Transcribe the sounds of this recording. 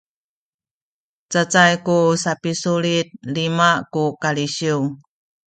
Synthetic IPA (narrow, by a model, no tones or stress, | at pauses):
t͡sət͡sajkusapisuɭit̪̚limakukaliɕiu